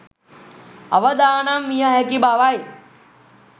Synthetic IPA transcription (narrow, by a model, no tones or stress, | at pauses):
ɐ̰ʋəd̪aːnamːijəɦɛkibaʋaj